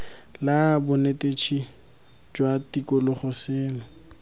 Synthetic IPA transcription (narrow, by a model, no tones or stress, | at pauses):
labʊnetet͡ʃʰi | d͡ʒwatikʼɔlʊχʊsɪːlɔ